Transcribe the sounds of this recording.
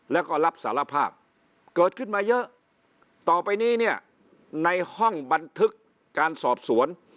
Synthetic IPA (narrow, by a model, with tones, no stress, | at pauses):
lɛː˦˥˩wkɔː˥˩la˦˥p̚saː˩˦la˧pʰaː˥˩p̚ | kɤː˨˩t̪̚kʰɯ˥˩nmaː˧jɤ˦˥ʔ | t̪ɔː˨˩pa˧jniː˥˩ni˥˩ɐ | na˧jhɔ˥˩ŋba˧nt̪ʰɯ˦˥kː | aː˧nsɔː˨˩p̚su˨˩˦ən